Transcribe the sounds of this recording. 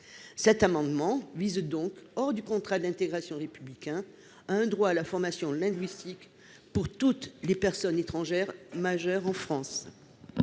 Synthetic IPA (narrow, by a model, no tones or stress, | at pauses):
sɛt̪amɑ̃d̪mɑ̃vizd̪ɔ̃kɔʁd̪ykɔ̃t̪χad̪ɛ̃t̪eɡʁasjɔ̃ʁepyblikʲɛ̃ | aɛ̃d̪ʁwaːlafɔʁmasjɔ̃lɛ̃ɡɥist̪ik | puʁt̪ut̪lepɛʁsɔnet̪χɑ̃ʒɛʁmaʒœʁɑ̃fχɑ̃s